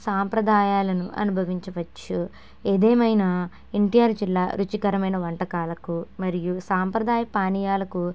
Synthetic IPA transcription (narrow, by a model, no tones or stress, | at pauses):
saːmpɾɐd̪aːjaːlɐnuʔɐ̰nubʱɐʋiɲt͡ʃɐʋɐt͡ʃːu | eːd̪eːmɐjnɐ | iɳʈijaːɾd͡ʒilːaːɾut͡ʃikɐɾɐmɐjnɐʋɐɳʈɐkaːlɐkumɐɾijusaːmpɾɐd̪aːjɐpaːnijaːlɐku